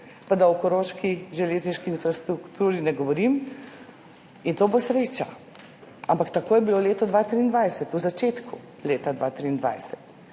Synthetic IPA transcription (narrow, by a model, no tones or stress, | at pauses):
pad̪aɔkɔɾoːʃkiʒɛleːzniʃkiinfɾast̪ɾukt̪uːɾinɛɡɔʋɔɾim | int̪oːbosɾeːt͡ʃa | ampakt̪akoːjɛbiloleːt̪ɔd̪ʋaːt̪ɾiːnd̪ʋajsɛt̪uzat͡ʃeːt̪ku | leːt̪ad̪ʋa̰t̪ɾiːnd̪ʋa̰jsɛt̪